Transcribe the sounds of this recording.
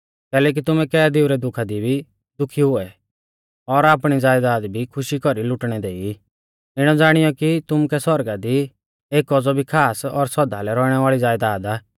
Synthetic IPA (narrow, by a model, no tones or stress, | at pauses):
kɛːlɛːk̬it̪ʊmɛ̃kɛːd̪ɪuɾɛd̪ʊkʰad̪ibʱi | d̪ʊkʰiɦʊɛ | ɔɾaːpɽ̃id͡zaːjd̪aːd̪bʱikʰʊʃikɔɾilʊʈɽ̃ɛd̪eːi | ɪɽ̃ɔd͡zaːɽ̃ɪjɔkit̪ʊmukɛsɔɾɡad̪i | eːkɔd͡zɔbʱikʰaːsɔɾsɔd̪alɛɾɔɽ̃ɛʋaːɭid͡zaːjd̪aːd̪aː